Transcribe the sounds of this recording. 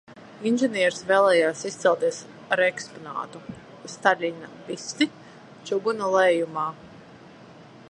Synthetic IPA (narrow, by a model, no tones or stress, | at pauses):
inʒɛniɛɾsvɛːlˠɛːjaːsist̪sɛlˠt̪iɛs | aɾekspɔna̰ːt̪u | st̪alʲinabist̪i | t͡ʃuɡunalˠɛjumaː